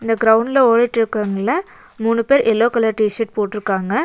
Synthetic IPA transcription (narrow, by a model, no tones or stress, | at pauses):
ɪnd̪ɐɡɾɐʊɳɖɪlɐoːɻiʈːɪɾɯkːaŋɡɐlːɐ | muːɳːɯpeːɾʔɛlːoːkɐlaːɾʈiʂɐʈ̚poːʈːɪɾɯkːaːŋɡɐ